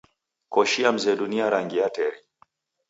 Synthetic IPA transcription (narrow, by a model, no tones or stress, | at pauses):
kɔʃiam̩zɛɗuniaɾaŋɡiatɛɾi